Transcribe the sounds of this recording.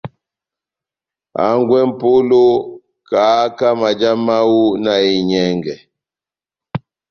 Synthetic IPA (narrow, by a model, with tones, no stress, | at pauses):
a̰˨˦ŋɡwɛ˦m̩˦po˦lo˦ | ka˨˦ka˦ma˨d͡ʒa˦ma˦wu˦na˨i˨ɲɛ˦ŋɡɛ˨